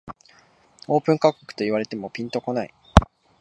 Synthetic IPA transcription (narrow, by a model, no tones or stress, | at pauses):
o̞ːpɯ̟̃ŋkakokɯ̥t̪o̞iβaɾe̞t̪e̞mo̞pʲĩnt̪o̞ko̞naḭ